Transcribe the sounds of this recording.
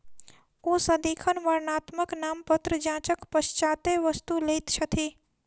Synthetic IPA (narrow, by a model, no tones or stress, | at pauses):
oːsɐd̪iːkʰənʋɐɾnaːt̪məknaːmpət̪ɾəd͡ʒãːt͡ʃəkpɐst͡ʃaːt̪eʋəst̪ulejt̪t͡ʃʰɐt̪ʰiː